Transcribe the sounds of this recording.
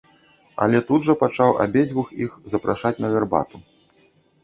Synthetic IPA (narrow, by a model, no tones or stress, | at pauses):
ɐ̰lʲɛt̪ud̪ʐɐpat͡ʂawa̰bʲed͡zʲvuxixzɐpɾʔaʂat͡sʲnɐvʲɛrba̰t̪u